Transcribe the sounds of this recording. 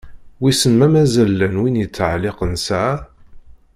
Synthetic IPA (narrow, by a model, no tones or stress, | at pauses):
wisənmæmæzælːənwinjət͡sːʕlɪqənsæ